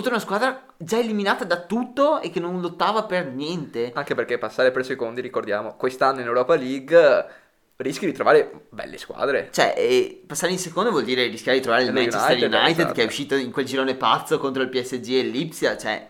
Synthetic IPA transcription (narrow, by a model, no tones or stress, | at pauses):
ut̪ːaunaskwaːd̪ɾa | d͡ʒaeliminaːt̪ad̪at̪ut̪ːoekːenõnlot̪ːaːvapernjɛnt̪eaŋkeperkepasːaːɾepersekond̪iɾikord̪ja̰ːmokwest̪anːoinewɾɔːpaliɡ | riskid̪it̪ɾovaːɾebɛ̰lːḛskwa̰ːd̪ɾḛt͡ʃoɛ̰ʔpasːaːɾeĩnsekond̪ovwold̪iːɾeriskjaːved̪it̪ɾovaːɾeilmat͡ʃesaɾjunajt̪ed̪keɛuʃːiːt̪oiŋkweld͡ʒiɾoːnepat̪sːokont̪ɾoilpiɛsːed͡ʒielːipsjat͡ʃoɛ̰